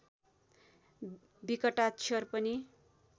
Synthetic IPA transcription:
bikʌʈat͡ɕʰʌrpʌni

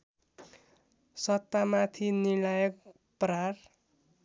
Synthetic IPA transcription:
sʌt̪ːamat̪ʰinilajʌk̚ | pɾar

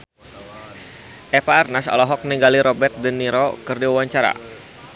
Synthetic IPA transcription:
ʔɛpaːrnasɔ̰lɔɦɔk̚niŋɡaliɾɔbɛrt̪̚dənːiɾɔkərdiwawaɲt͡ʃaɾa̰

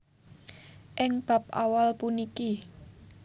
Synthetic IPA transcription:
ʔɪŋb̥a̤pa̰walpuniki

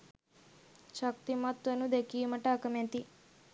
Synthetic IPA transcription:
t͡ʃɐk̚t̪imɐt̪ʋɐnud̪ekiːmɐʈakɐmẽnt̪i

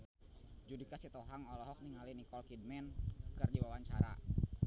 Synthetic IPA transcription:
d͡ʒudikasit̪ɔɦaŋɔlɔɦɔk̚niŋalinikɔlkid̚mɛnkɨrdiwawaɲt͡ʃaɾa̰

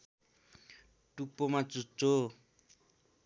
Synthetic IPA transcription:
ʈupːomat͡sut͡sːo

